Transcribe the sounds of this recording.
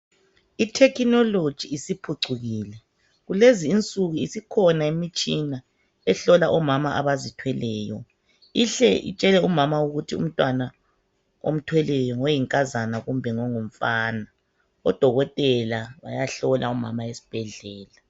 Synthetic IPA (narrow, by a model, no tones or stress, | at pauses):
itʰɛkinɔlod̥ʒ̥ʱiːsipʰuǀuɣiːlɛ | ɣuleziːnt͡sʼuɣuisikʰɔnaimit͡ʃʼina | ɛɬɔlaʔɔmamaʔaβazitʰwɛlɛːjɔ̰ | iɬɛʔḭt͡ʃʼɛlɛumamauɣutʰiṵm̩tʼwana | o̰m̩tʰwɛlɛjɔŋɔjiŋkʼazanaɣumbʱɛŋɔŋum̩faːna | ɔd̥ʱɔɣɔtʼɛlaβajaɬɔlʔauma̰maesi̥b̥ʱɛɮɛːla